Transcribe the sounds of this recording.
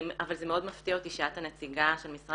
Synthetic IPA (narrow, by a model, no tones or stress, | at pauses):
mavalze̞meo̞d̪maft̪iaot̪iʃiat̪hanet͡siɡaʃe̞lmisʁa